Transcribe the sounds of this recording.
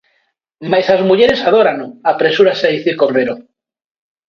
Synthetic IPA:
majsazmuʝe̞ɾe̞sað̞o̞ɾanoapɾe̞suɾaseaðiθiɾkorreɾo

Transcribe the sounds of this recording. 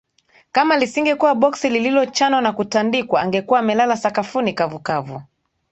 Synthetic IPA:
kamalisiŋɡɛkuwaɓɔksilililɔt͡ʃanɔnakutandikwaːŋɡɛkuwaːmɛlalasakafunikavukavu

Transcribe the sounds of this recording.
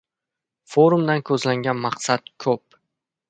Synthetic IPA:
foɾumd̪ankʰɵzlaŋɡʲanmɑqsat̪kʰɵp̚

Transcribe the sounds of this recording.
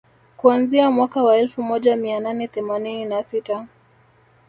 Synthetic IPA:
kuanziamwakawaɛlfumɔʄamiananɛθɛmanininasita

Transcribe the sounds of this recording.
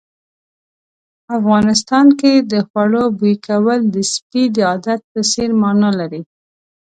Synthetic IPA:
afɣɑnɪs̬t̪ɑnked̪əxwaɽobujkawəld̪əspid̪əɑd̪at̪̚pəseɾmɑnɑlaɾi

